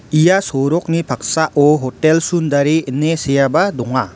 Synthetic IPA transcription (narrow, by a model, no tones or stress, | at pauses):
ijasɔɾɔk̚nipʰak̚saʔɔɦɔtelsund̪aɾiːnesejabadɔŋa